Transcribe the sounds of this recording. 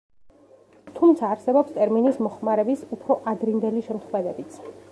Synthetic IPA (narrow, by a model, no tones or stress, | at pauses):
t̪ʰumt̪sʰaːɾsɛbɔpst̪ʼɛɾminismɔχmaɾɛbisupʰɾɔʔad̪ɾind̪ɛliʃɛmχvɛd̪ɛbit̪sʰ